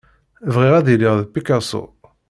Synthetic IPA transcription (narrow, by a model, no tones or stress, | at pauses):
vʁɪʁæðilɪʁðpːikasṵ